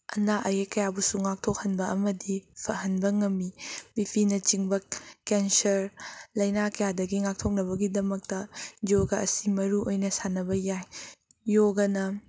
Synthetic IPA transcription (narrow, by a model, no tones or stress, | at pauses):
ɐnaʔɐjekɐjabusuŋak̚tʰok̚hɐnbɐʔɐmɐdipʰɐɦɐnbɐŋɐmːibipʰinɐt͡ʃiŋbɐkensɐɾlɐjnakɐjadɐɡiŋak̚tʰok̚nɐbɐɡidɐmɐk̚tɐd͡ʒoɡɐɐsimɐɾuʔojnɐsanɐbɐjaj | joɡɐnɐ